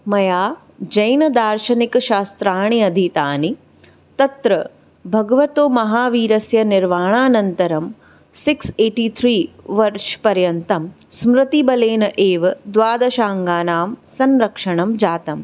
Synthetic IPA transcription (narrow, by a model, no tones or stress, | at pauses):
mɐjaː | d͡ʒɐjnɐd̪aːɾʃɐnikɐʃaːst̪ɾaːɳiɐd̪ʱit̪aːni | t̪ɐt̪ɾɐ | bʱɐɡɐʋɐt̪oːmɐɦaːʋiːɾɐsjɐniɾʋaːɳaːnɐnt̪ɐɾɐm | sikseːʈiːt̪ʰɾiːʋɐɾʂpɐɾjɐnt̪ɐm | smɾɪt̪ibɐleːnɐʔeːʋɐd̪ʋaːd̪ɐʃaːŋɡaːnaːmsɐnɾɐkʂɐɳɐmd͡ʒaːt̪ɐm